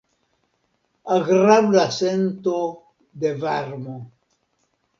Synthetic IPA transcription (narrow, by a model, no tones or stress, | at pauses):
aɣɾaβlasent̪o | d̪evaɾmo